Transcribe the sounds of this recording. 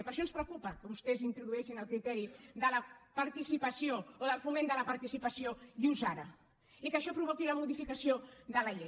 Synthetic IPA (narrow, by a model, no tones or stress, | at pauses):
pɐɾʃɔnspɾəwkupɐkəβust̪ezint̪ɾuðuɛʃinəlˠkɾit̪ɛɾiðəlɐpaɾt̪isipɐsjooðəlˠfumẽnd̪əlɐpaɾt̪isipɐsioðiwzaɾɐ̰ | ikəʃɔpɾuβokilɐmuðifikasioðəlɐʎe